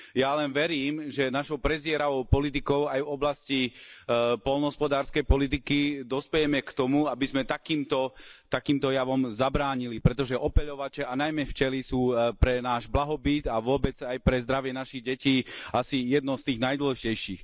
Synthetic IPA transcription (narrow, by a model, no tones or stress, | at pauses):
jalɛnʋɛɾiːmʒɛnaʃɔʊpɾɛzɪɛɾaʋɔʊpɔlit̪̬ikɔʊajvɔblasci | pɔlnɦɔspɔd̪aːɾskɛjpɔlit̪̬ikid̪ɔspɛjɛmɛkt̪ɔmuabizmɛt̪akiːmt̪ɔt̪akiːmt̪ɔjaʋɔmzabɾaːɲilipɾɛt̪ɔʒɛʔɔpɛʎɔʋat͡ʃɛanajmɛft͡ʃɛlisuːpɾɛnaːʒblaɦɔbit̪aʋʊɔbɛd͡zajpɾɛzd̪ɾaʋɪɛnaʃiɣɟɛciːasijɛd̪nɔʊst̪iːɣnajd̪wɔlɛʒicɛjʃiːx